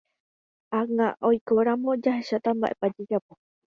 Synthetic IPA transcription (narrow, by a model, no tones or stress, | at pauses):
aŋaʔojkoɾamõd͡ʒaɦeʃat̪amba̰ʔepad͡ʒed͡ʒapo